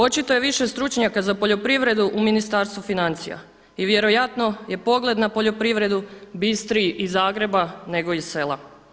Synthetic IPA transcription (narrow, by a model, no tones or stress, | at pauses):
o̞t͡ʃit̪oje̞ʋiʃest̪ɾut͡ʃɲakazapo̞ʎo̞pɾiʋɾe̞d̪uʔuminist̪aːɾst̪ʋufinant̪sḭja̰ | iʋje̞ɾo̞jat̪no̞je̞po̞ɡle̞d̪napo̞ʎo̞pɾiʋɾe̞d̪ubist̪ɾiʔizaːɡɾe̞bane̞ɡo̞ise̞lˠa̰